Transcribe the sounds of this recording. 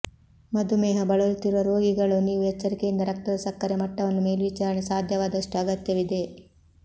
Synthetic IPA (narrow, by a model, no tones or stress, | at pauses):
mɐd̪umɛːɦɐbɐɭɐlt̪iɾuʋɐɾo̞ːɡiɡɐɭuniːʋuɦɛt͡ʃːɐɾikejind̪ɐɾɐk̚t̪ɐd̪ɐsɐkːɐɾemɐʈːɐʋɐnːume̞ːlʋit͡ʃaːɾɐɳesaːd̪ʱjɐʋaːd̪ɐʂʈuɐɡɐt̪jɐʋid̪e̞